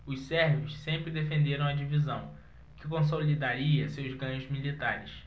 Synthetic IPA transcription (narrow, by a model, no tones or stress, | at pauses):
ʊssɛɾvʊʃsẽmpɾɪd̪efẽnd̪eɾɐ̃w̃ɐd͡ʒivizɐ̃w̃ | kɪkõs̬olid̪aɾiɐsewzɡɐ̃ɲʊzmilit̪aɾɪs